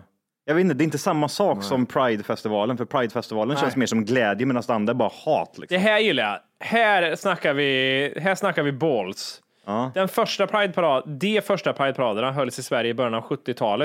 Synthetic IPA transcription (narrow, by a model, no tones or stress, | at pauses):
jɑɡveːt̪nt̪əd̪ɛɾɪnt̪əsamːasɑːksɔmpʰɾajd̪fɛst̪ɪvɑːlənfœɾpʰɾajd̪fɛst̪ɪvɑːlənɕɛnsmeːʂɔmɡlɛːd̪jəmɛnast̪d̪ɛand̪ɾaɛɾbɑːɾahɑːt̪lɪ̰ksd̪ɛɦæːɾjɪlːaja̰ | hæːɾsnakːaɾvɪɦæːʂnakːaɾvɪbɔls | ɑːd̪ɛnfœʂʈapʰɾajd̪̚pʰaɾɑːd̪d̪ɛfœʂʈapʰɾajd̪pʰaɾɑːd̪ənaɦœlːsɪsvæɾjəɪbœɾjanavɧɵt̪ːɪt̪ʰɑːlə